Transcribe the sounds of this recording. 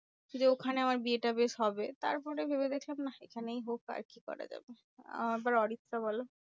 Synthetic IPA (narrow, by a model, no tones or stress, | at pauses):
d͡ʑeokʰaneamaɾbieʈabeʃɦɔbet̪a̰ɾpɔɾebʱeβed̪ekʰlamnaekʰanejɦoka̰ɾkikɔ̰ɾa̰d͡ʑa̰be | a̰mabaɾɔɽit̪ːʃaβɔlo